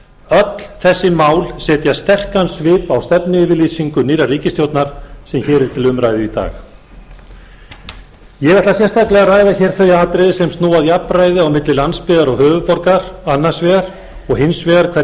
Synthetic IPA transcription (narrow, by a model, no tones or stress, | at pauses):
œt̪lθɛsːɪmaːwlsɛːt̪jast̪ɛr̥kansvɪːpawst̪ɛpnɪɪvɪliːsiŋkʏniːɾariːcɪst̪jowt̪naɾ̥sɛmçɛːɾɛɾ̥t̪ʰɪlʏmɾajðɪit̪a̰ːx | jɛɣɛht̪lasjɛst̪aklɛɣaraːjðaçɛːɾ̥θœjaːt̪ɾɪsɛmst̪noːwaðiapɾaːjðɪawmɪt̪lɪlanspɪðaɾɔɣhœːvʏpɔɾkaɾanːasvɛɣaɾ | ɔɣɦɪnsvɛɣaɾkʰvɛ